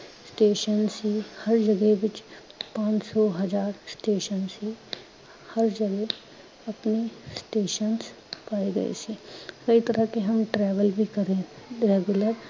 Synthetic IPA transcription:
sʈeːʃənsihɐɾd͡ʒəɡebɪt͡ʃpãːɲt͡ʃsɔːɦɐd͡ʒaːɾsʈeːʃənsi | həɾd͡ʒəɡe | ɐpnisʈeːʃəns | paːiɡɐ̰ḛsikɐit̪ɐɾəkeɦɐmʈɾɛːʋəlbʱikəɾẽːɾɛːɡʊləɾ

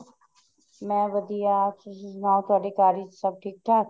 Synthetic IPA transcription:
mɛ̃ːʋəd̪ijasʊsɪsnaːõt̪ʊaːɖeːkaːɾiːsəb̚ʈʰik̚ʈʰaːk

